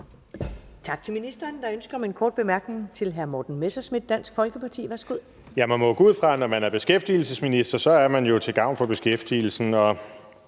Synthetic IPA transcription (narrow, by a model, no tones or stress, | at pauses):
t͡sʰɑ̈ɡ̥̚t͡sʰe̝minisd̥ɐːnd̥ɑ̈ønsɡ̥ɐɒme̝nkʰɒ̰ːd̥̚b̥e̝mæɐɡ̥ne̝ŋt͡sʰe̝lɦæɐmɒːd̥n̩mesæsmid̥ˠd̥æn̰sɡ̥fɒ̽lɡ̥əpʰɑ̈t͡sʰḭːʋæɐsɡ̥uð̞̰ˠ | jæmænmɔ̽ɡ̥uð̞̰ˠfʁɑ̈nɒmænæɐb̥e̝sɡ̥efd̥il̩səsminisd̥ɐsɒ̽æɐmænjo̝t͡sʰe̝ɡ̥ɑ̈ʊ̰nfɒ̽b̥e̝sɡ̥efd̥iːl̩sn̩ɒ̽